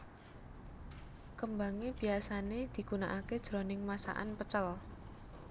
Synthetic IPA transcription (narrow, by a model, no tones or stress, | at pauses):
kəmbaŋeb̥i̤asaned̪̥i̤ɡunaʔaked̥ʒ̥ɾonɪŋmasa̰ʔa̰npət͡ʃəl